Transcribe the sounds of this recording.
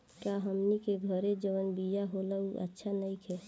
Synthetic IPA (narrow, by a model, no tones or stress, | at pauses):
kjaɦəmnikeɡʱəɾed͡ʒəʋənbijaɦoləuʔə̰tːʃʰanəikʰɦɛ